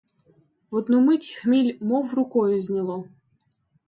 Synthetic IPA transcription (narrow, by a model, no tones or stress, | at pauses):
ɔd̪numɪtʲxmʲilʲmɔwrʊkɔjʊzʲnʲilˠɔ